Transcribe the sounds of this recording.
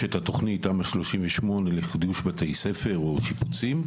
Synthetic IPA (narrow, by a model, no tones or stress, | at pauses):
etato̞χnitamaʃlo̞ʃimveʃmo̞neliχid̪uʃbatejse̞fe̞ʁoʃiput͡sim